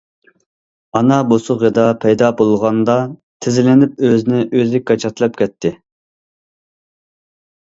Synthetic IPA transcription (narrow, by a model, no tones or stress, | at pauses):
ɑnɑbosʊʁed̪ɑpʰɛjd̪ɑbolˠʁɑnd̪ɑ | t̪ʰɪzɪlɪnɪp̚øzɪnɪʔøzɪɡɑt͡ʃʰɑt̪ʰlˠɑp̚kʲʰɛt̪ʰːɪ